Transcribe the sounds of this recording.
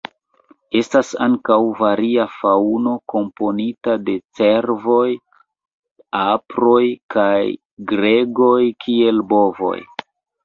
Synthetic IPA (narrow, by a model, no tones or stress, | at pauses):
e̞stasaŋkawvaɾiafauno̞ko̞mpo̞nitade̞t͡se̞ɾvo̞j | apɾo̞jkaj | ɡɾe̞ɡo̞jkʰie̞lbo̞vo̞̰j